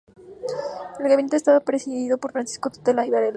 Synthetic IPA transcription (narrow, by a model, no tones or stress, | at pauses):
elɣaβint̪est̪aβapɾesiðiðopoɾfɾansi̥skot̪ot̪elajβaɾel